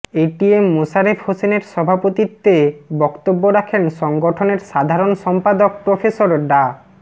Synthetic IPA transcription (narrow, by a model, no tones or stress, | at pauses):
eʈiemːosaɾefhoseneɾʃɔbʱapot̪it̪ːebɔkt̪obːoɾakʰenʃɔŋɡoʈʰoneɾʃad̪ʱaɾonʃɔmpad̪ok̚pɾofʰesoɾɖa